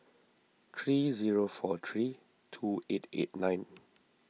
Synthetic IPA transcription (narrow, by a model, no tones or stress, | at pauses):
t̪ʰɹiziɹofɔt̪ʰɹi | tʰuetḛt̚nãɪ̃n